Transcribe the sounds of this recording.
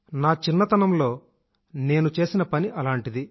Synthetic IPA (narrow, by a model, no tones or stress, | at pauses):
naːt͡ʃinːɐt̪ɐnɐmlo̞ː | ne̞ːnut͡ʃe̞ːsinɐpɐniʔɐlaːɳʈid̪i